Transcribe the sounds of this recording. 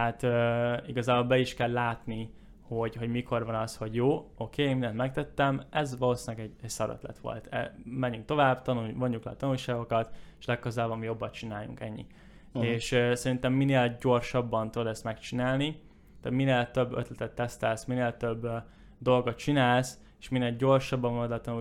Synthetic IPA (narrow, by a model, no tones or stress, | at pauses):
hat̪øiɡɒzaːbolbɛiʃkɛlːaːt̪ni | ho̞ɟɦo̞ɟmikʰorvɒnɒsho̞ɟjoːo̞kʰeːnmind̪ɛnt̪mɛk̚t̪ɛt̪ːɛmɛzʋɒloːsinɒɡɛɟɛɟsɒɾø̰t̪lɛ̰t̪ʋo̞̰lt̪ʰɛ̰mɛɲːyŋk̚t̪o̞vaːbt̪ɒnuvoɲːuklɛːt̪ɒnulʃaːɡo̞kɒt̪eʃlɛkːøzaːbɒmijo̞bːɒt̪t͡ʃinaːjṵŋkɛɲːḭ | eːʃsɛɾint̪ɛmːineːlɟo̞rʃɒbːɒnt̪ud̪od̪ɛst̪mɛkt͡ʃinaːlni | t̪a̰ːt̪mineːlt̪ø̞bːø̰t̪lɛt̪ɛt̪ːɛst̪ɛlsmineːlt̪øbː | d̪o̞lɡot̪̚t͡ʃinaːls | e̥ʃmineːlɟo̞rʃɒbːɒɱvɒnd̪ɛt̪ɒnu